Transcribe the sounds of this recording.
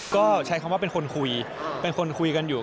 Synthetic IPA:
kɔː˥˩t͡ɕʰa˦˥jkʰa˧mwa˥p̬e˧nkʰo˧nkʰu˧jpe˧nkʰo˧nkʰu˧jka˧njuː˨˩

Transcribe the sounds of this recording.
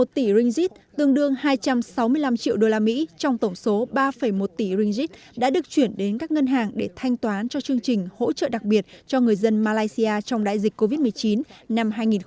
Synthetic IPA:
o˨˩t̚t̪i˧˩zi˧ŋ̟zi˦˥t̚t̪ɨ˧əŋɗɨ˧əŋhaː˧jt͡ɕa˧msa˨˦wmɨ˧əjla˧mt͡ɕḭ˧əwɗo˧laː˧mḭ˧˥t͡ɕɔ˧wŋ͡mt̪ə˧˩wŋ͡mso˨˦ɓaː˧fə˨˧˩jmo˨˩t̚t̪i˧˩zï˧ŋ̟zi˦˥t̚ | ɗa̰ː˧˥ɗɨ˨˩ək̚t͡ɕwi˧˩ənɗe˨˦nkaː˦˥k̚ŋə˧nɦaː˨˩ŋɗe˧˩t̪ʰa˧jŋ̟t̪waː˨˦nt͡ɕɔ˧t͡ɕɨ˧əŋt͡ɕï˨˩ŋ̟ho̰˧˥t͡ɕə̰ː˧˨ɗa˨˩k̚ɓi˨˩ət̚t͡ɕɔ˧ŋɨ˨˩əjzə˧nmaː˧laː˧jsi˧ʔaː˧t͡ɕɔ˧wŋ͡mɗa̰ː˧˨jzi˨˩k̟̚ko˧vi˦˥t̚mɨ˨˩əjt͡ɕi˨˦nna˧mɦaː˧jŋi˨˩

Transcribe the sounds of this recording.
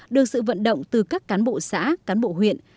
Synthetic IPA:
ɗɨ˨˩ək̚sɨ̰˧˨və̰˧˨nɗə̰˧˨wŋ͡mt̪ɨ˨˩kaː˦˥kːaː˨˦nɓo̰˧˨sa̰ː˧˥kaː˨˦nɓo̰˧˨ɦwḭ˧˨ən

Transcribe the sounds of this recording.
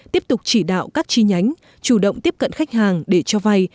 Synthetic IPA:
t̪i˦˥əp̚t̪ʊ˨˩k͡p̚t͡ɕi˧˩ɗa̰ː˧˨wkaː˦˥k̚t͡ɕi˧ɲa˨˦jŋ̟ | t͡ɕu˧˩ɗə̰˧˨wŋ͡mt̪i˦˥əp̚kə̰˧˨nxa˦˥jk̟̚haː˨˩ŋɗe˧˩t͡ɕɔ˧va˧j

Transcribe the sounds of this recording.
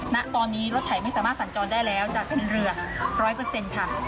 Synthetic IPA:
na˦˥ʔt̪ɔː˧nːiː˦˥ɾo˦˥t̪ʰa˨˩jma˥˩jsaː˩˦maː˥˩t̪sa˩˦nt͡ɕɔː˧ndaː˥˩jlɛː˦˥wt͡ɕaː˨˩k̚pʰe˧˩˦nɾɯ˧ɐ | ɾɔː˦˥jpɤː˧se˧nkʰa˥˩

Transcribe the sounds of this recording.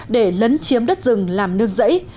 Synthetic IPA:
ɗe˧˩lə˨˦nt͡ɕi˨˦əmɗə˦˥t̚zɨ˨˩ŋlaː˨˩mnɨ˧əŋzə̰˧˥j

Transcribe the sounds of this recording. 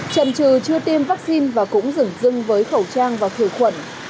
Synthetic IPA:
t͡ɕə̰˧˨mt͡ɕɨ˨˩t͡ɕɨ˧ət̪i˧mva˦˥k̚si˧nvaː˨˩kʊ̰˧˥ŋ͡mzɨ˧˩ŋzɨ˧ŋvəː˨˦jxə˧˩wt͡ɕaː˧ŋvaː˨˩wt̪ʰi˧˩xwə̰˧˨n

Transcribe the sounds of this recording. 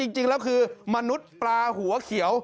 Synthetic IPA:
i˧ŋt͡ɕi˧ŋlɛː˦˥wkʰɯː˧ma˧nu˦˥t̪̚plaː˧hu˩˦ɐkʰi˩˦əw

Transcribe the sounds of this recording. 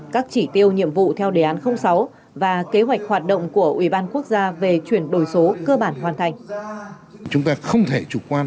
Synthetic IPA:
kaː˦˥k̚t͡ɕi˧˩t̪i˧əwɲḭ˧˨əmvṵ˧˨t̪ʰɛ˧wɗe˨˦ʔaː˨˦nxə˧wŋ͡msa˨˦w | vaː˨˩ke˨˦ɦwa˨˩jk̟̚hwaː˨˩t̚ɗə̰˧˨wŋ͡mku˧˩əʔwi˧˩ɓaː˧nku˦˥ək̚zaː˧ve˨˩t͡ɕwi˧˩ənɗo˨˩jso˨˦kəː˧ɓaː˧˩nɦwaː˨˩nt̪ʰa˨˩jŋ̟ | t͡ɕʊ˨˦ŋ͡mt̪aː˧xə˧wŋ͡mt̪ʰe˧˩t͡ɕu˧˩kwaː˧n

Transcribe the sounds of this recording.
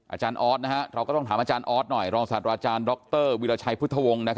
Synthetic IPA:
ʔa̰ː˧t͡ɕaː˧nʔɔː˦˥t̪̚na˦˥ka˦˥ʔɾa˧wkɔː˥˩ɔ˥˩ŋt̪ʰaː˩˦mʔa˧t͡ɕaː˧nʔɔː˦˥t̪̚nɔ˨˩jɾɔː˧ŋsa˨˩t̪̚ɾaː˧t͡ɕaː˧ndɔ˦˥k̚t̪ɤː˥˩wiː˧laː˧t͡ɕʰa˧jpʰt̪ʰːa˧˩wo˧ŋna˦˥kʰa˦˥

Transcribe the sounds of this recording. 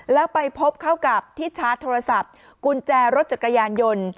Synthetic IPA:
lɛ˦˥pa˧jpʰo˦˥p̚kʰa˥˩wka˨˩p̚t̪ʰiː˥˩t͡ɕʰaː˦˥t̪ʰoː˧ɾa˧sa˨˩p̚ | ku˧nt͡ɕɛː˧ɾo˦˥t̪̚t͡ɕa˨˩kːa˧jaː˧njo˧n

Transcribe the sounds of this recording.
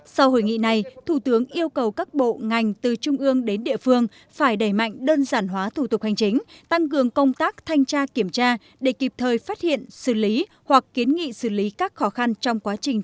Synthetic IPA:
sa˧who̰˧˩jŋḭ˧˨na˨˩jt̪ʰu˧˩t̪ɨ˨˦əŋʔi˧əwkə˨˩wkaː˦˥k̚ɓo̰˧˨ŋa˨˩jŋ̟t̪ɨ˨˩t͡ɕʊ˧ŋ͡mʔɨ˧əŋɗe˨˦nɗḭ˧˨əfɨ˧əŋ | faː˧˩jɗə˧˩jma̰˧˨jŋ̟ɗəː˧nzaː˧˩nɦwaː˨˦t̪ʰu˧˩t̪ʊ˨˩k̚ha˨˩jŋ̟t͡ɕï˨˦ŋ̟t̪a˧ŋkɨ˨˩əŋkə˧wŋ͡mt̪aː˦˥k̚t̪ʰa˧jŋ̟t͡ɕaː˧ki˧˩əmt͡ɕaː˧ | ɗe˧˩ki˨˩p̚t̪ʰəː˨˩jfaː˦˥t̚hḭ˧˨ənsɨ̰˧˩li˨˦ | hwa˨˩kːi˨˦ənŋḭ˧˨sɨ˧˩li˨˦kaː˦˥k̚xɔ˨˦xa˧nt͡ɕɔ˧wŋ͡mkwaː˨˦t͡ɕï˨˩ŋ̟

